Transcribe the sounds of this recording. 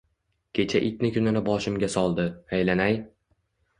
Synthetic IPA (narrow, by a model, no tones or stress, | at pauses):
kʲʰe̞t͡ʃʰaʔɪt̪̚nɪkʲʰʊnanabɒʃɪmɡʲasɒlˠd̪ɪajlanaj